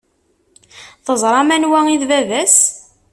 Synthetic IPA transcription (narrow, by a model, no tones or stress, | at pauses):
θəzˤɾˤɑmænwæiðvævæs